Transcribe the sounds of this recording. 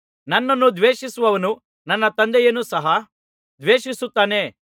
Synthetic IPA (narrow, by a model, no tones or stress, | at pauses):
nɐnːɐnːud̪ʋeːʂisuʋɐʋɐnu | nɐnːɐt̪ɐnd̪ɛjɐnusɐɦɐ | d̪ʋeːʂisut̪ːaːne̞ː